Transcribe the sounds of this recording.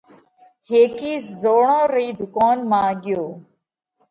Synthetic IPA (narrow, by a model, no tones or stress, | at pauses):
heːkiːzoːɳõːɾiːd̪ʊkaːnmãːɠɪjoː